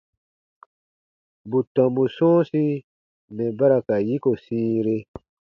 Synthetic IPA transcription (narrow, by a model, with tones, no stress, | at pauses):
bu˨tɔ̃˨mbu˨sɔ̃ː˦si˦ | mɛ̃˨ba˦ɾa˨ka˨ji˦ko˨sĩː˦ɾe˦